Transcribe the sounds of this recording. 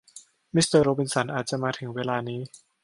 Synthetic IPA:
mi˦˥st̪əː˧ɾoː˧bi˧nsa˩˦nʔaː˨˩t̪̚t͡ɕa˨˩ʔmaː˧t̪ʰɯ˩˦ŋweː˧laː˧niː˦˥

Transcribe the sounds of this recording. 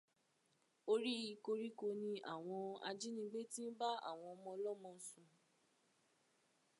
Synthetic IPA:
o˧ɾi˦i˧ko˧ɾi˦ko˧nĩ˧a̰˦˨w̃ɔ̃˧a̰˧d͡ʒi˦nĩ˧˦ɡ͡be˦tĩ˦n̩˦ba˦a̰˦˨w̃ɔ̃˧ɔ˧mɔ̃˧lɔ˦mɔ̃˧˦sũ˧

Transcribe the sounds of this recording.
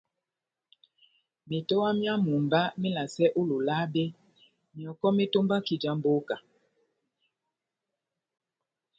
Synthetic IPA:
mi˨to˦wa˦mja˦mu˨mba˦mi˦la˨sɛ˦ʔo˦lo˨la˦be˦ | mi˨ɔ˨kɔ˦me˦to˦mba˦ki˨d͡ʒa˦m˦bo˦ka˨

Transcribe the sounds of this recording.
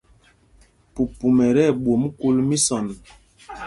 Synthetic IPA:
pu˨pu˨mɛ˨ɾɛ˦˨ɓwo˨m˦ku˦lmi˦sɔ˨n

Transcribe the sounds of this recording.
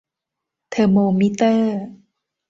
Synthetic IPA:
t̪ʰə˧moː˧mi˦t̪əː˥˩

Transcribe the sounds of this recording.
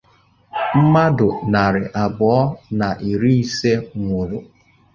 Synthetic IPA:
m̩˦ma˦dʊ˨na˨ɾɪ˨ʔa˨bʊ˨ɔ˦na˨ʔi˨ɾi˦i˦se˦ŋʷʊ˨ɾʊ˨

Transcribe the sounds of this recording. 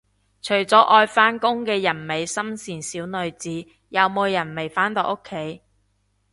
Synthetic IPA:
t͡ʃʰɵ˨˩ɥt͡sɔː˨˥ʔɔː˧jfaː˥nkʊ˥ŋkɛː˧jɐ˨˩nme˨jsɐ˥msiː˨˩nsiː˨˥wnɵ˨ɥt͡siː˨˥ | jɐ˨˧wmo˨˧wjɐ˨˩nme˨˩jfaː˨˥nt̪ɔ˨˧ʔo˥kʰːe˨˥j

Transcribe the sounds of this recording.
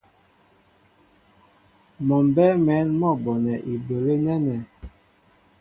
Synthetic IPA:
mɔ˨mbɛ˦mɛ˨˦nmɔ˦˨bɔ˨nɛ˨ʔi˨bo˨le˦nɛ˦nɛ˨

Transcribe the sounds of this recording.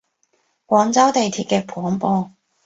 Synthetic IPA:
kʷɔː˨˧˥ŋt͡sɐ˥wt̪e˨jt̪ʰiː˧t̚kɛː˧pʰɔː˨˥ŋpɔː˧

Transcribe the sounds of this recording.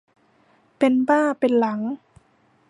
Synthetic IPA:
pe˧nbaː˥˩pe˧nla˩˦ŋ

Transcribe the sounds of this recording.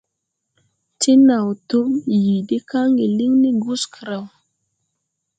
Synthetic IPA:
ti˦na˨wto˦mji˨di˦ka˦ŋɡe˨li˦ŋni˦ɡu˦skʰə˨ɾa˨w

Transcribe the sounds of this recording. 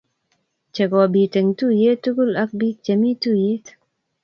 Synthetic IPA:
t͡ʃɛ˨ɡɔ˨biː˨te˨ŋtu˦je˦t̪ːu˦ɡu˦lɐ˦k̚biː˦k̚t͡ʃɐ˨miː˦t̪u˦je˦t̪

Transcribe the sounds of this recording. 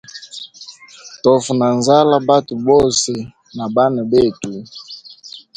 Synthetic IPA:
tɔ˨fu˨na˨nza˦la˦ba˦tu˨bɔ˦sɛ˨ | na˨ba˦na˨be˦˨tu˨˦

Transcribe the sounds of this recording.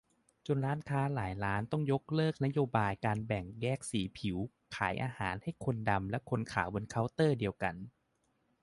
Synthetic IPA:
t͡ɕo˧nɾaː˦˥nkʰaː˦˥laː˩˦jɾaː˦˥nt̪ɔ˥˩ŋjo˦˥k̚lɤː˥˩k̚na˦˥joː˧baː˧jkaː˧nbɛ˨˩ŋjɛː˥˩k̚siː˩˦pʰi˨˩˦w | kʰaː˩˦jʔaː˧ha̰ː˩˦nha˥˩jkʰo˧nda˧mlɛ˦˥ʔkʰo˧nkʰa̰ː˩˦wbɤ˧nkʰa˦˥wt̪ɤː˥˩di˧əwka˧n

